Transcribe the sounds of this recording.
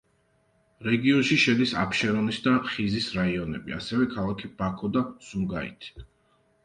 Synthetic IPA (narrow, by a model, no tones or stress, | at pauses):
ɾɛɡiɔnʃiʃɛd̪isa̰pʃɛɾɔnisd̪aχizisɾaiɔnɛ̰bḭa̰sɛvɛkʰalˠakʰib̥akʰɔd̪asumɡa̰ḭt̪ʰi̥